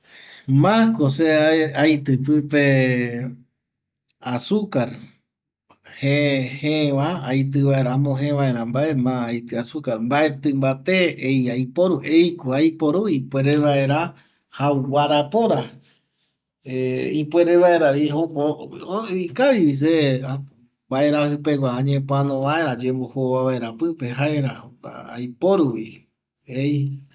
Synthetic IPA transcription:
mãkoseaajt̪ɨp̬ɨpe̞ | asukaɾ | hehẽʋaajt̪̬ɨʋae̞ɾamõɦẽʋae̞ɾãmbaemãajt̪ɨasukaɾmbaʔet̪ɨ̃mbat̪eejajpoɾuʔejkoajpo̞ɾuipweɾeʋaeɾa | hawwaɾapoɾa | eipweɾeβae̞ɾaiɦopo | ikaʋiʋisea | bae̞ɾahɨpe̞ɡʷãːɲẽpoanõʋae̞ɾad͡ʒembohoaβaeɾapɨpeɦaeɾahoka̰a̰jpoɾuβi | ej

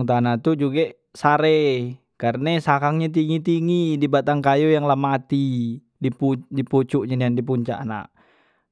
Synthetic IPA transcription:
ŋt̪anat̪ud͡ʒuɡɛ | saɾɛ | karnasakaŋɲat̪̬iŋit̪iŋidibat̪aŋkajojaŋlamat̪i | dipudiput͡ʃuʔɲaniandip̬uɲt͡ʃa̰ʔna̰ʔ

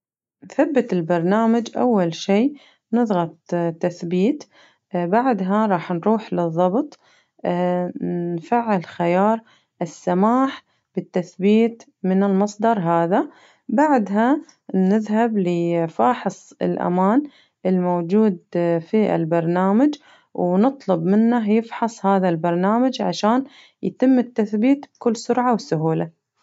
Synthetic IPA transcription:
nθabːɪt̪ɪlbɑɾˤnaːmad͡ʒʔa̰wːalʃiː | nɨðˤɣɑt̪ˤt̪ːaθbiːt̪ | baʕd̪ɦaɾˤɑːħnɾuːħlɨðˤːɑbt̪ˤː | nfaʕːɪlxɪjɑːɾˤ | ʔɪsːamaːħ | b̥ɪt̪ːaθbiːt̪ | mɪnɪlmɑsˤd̪ɑɾˤɦaːða | baʕd̪ɦa | nɪðɦablɪfɑːħɨsˤɪ̰lʔa̰maːn | ɪlmowd͡ʒuːd̪fiʔɪ̰lbɑɾˤnaːmad͡ʒ | wnɨt̪ˤlʊbmɪnːajɪfħɑsˤhaːðalbɑɾˤnaːmad͡ʒʕa̰ʃaːn | jt̪ɪmːɪt̪ːaθbiːt̪bkʊlːsʊɾʕawɪsʊɦuːla

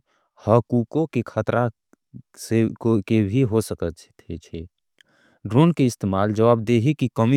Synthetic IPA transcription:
həkukokekʰət̪ɾʔa | sekkebʱiɦosəkət̪t͡ʃt̪ʰɛt͡ʃʰe | ɖɾoːnkeɪst̪eːmaːld͡ʒəʋaːb̚d̪eɦikikəmi

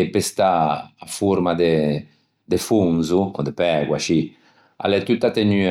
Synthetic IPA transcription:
epest̪aːfuɾmad̪e | d̪efuŋzuɔ̰d̪epɛɡwa̰ʃi | a̰lɛt̪ut̪ːat̪eny

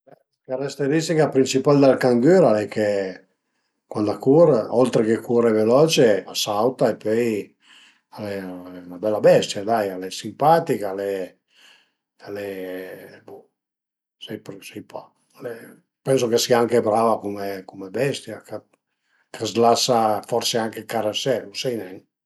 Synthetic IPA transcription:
ɛ | kaɾast̪eɾist̪ikapɾint͡ʃipald̪alkaŋɡøɾalɛke | kwand̪akuɾɔlt̪ɾekekʰuɾɛvelɔt͡ʃeasawt̪aepøj | alɛaɛunabɛlːabɛst̪jad̪ajalɛsimpat̪ikalɛ | alɛ | bu | sɛjpɾsɛjpɔ | alɛ | pɛns̬okesiaaŋkebɾavakumekumebɛst̪jaka | kʰazlasafɔɾseaŋkekaɾasɛusɛjnɛn

